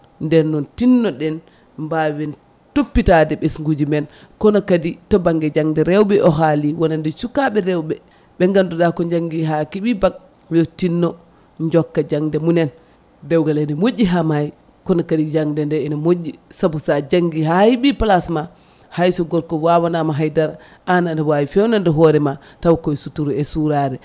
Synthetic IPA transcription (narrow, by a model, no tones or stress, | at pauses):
ndɛɾnɔntinːɔɗɛn | mbawɛn | topːitadɛɓesŋɡud͡ʒimɛn | kɔnɔkaditɔbaŋɡɛd͡ʒaŋdɛɾɛwɓɛʔɔɦaliwɔnandɛsukːaɓɛɾɛwɓɛ | ɓɛŋɡandudakɔɲd͡ʒaŋɡiɦakiɓibaɡ̚ | wɛɔtinːɔ | ɲd͡ʒɔkːad͡ʒaŋdɛmunɛn | dɛwɡalɛnɔmoɟːiɦamaj | kɔnɔkadid͡ʒaŋdɛndɛɛnɔmoɟːisabusad͡ʒaŋɡiɦahiɓipalasma | hajsɔɡɔɾkɔwawanamaɦajdaɾ | anandɛwawifɛwnandɛɦɔɾɛma | tawkɔɛsutuɾuɛsuɾaɾɛ